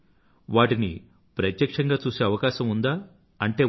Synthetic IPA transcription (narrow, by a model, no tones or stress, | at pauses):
ʋaːʈini | pɾɐt̪jɐkʂɐŋɡaːt͡ʃuːse̞ːɐʋɐkaːʃɐmund̪aː | ɐɳʈe̞ː